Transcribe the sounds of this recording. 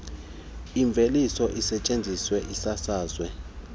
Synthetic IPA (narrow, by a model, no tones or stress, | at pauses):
iɱb̪vʱelisɔʔisɛt͡ʃʼend͡zʱiswɛʔisasaːzwɛ